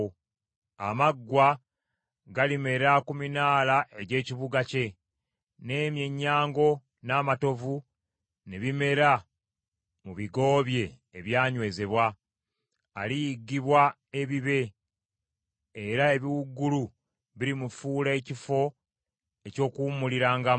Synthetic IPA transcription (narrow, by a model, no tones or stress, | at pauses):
a̰maɡːwa | ɡalime̞ɾakuminaːlaʔe̞ɟe̞ːciβuɡace̞ | ne̞ːmje̞ɲːaːŋɡo̞ | naːmato̞vu | neβime̞ɾa | muβiɡo̞ːβje̞ː | βjaːɲwe̞ːze̞βwaː | lijiɡːiβwa | e̞βiβe̞ | ɾae̞βiwuɡːulu | βiɾimufuːle̞ːcifo̞ | eco̞ːkuːmuliɾaːŋɡa